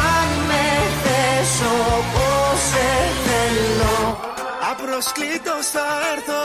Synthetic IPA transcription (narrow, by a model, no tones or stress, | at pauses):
ameθesoposeθelo | apɾosklit̪osaeɾθo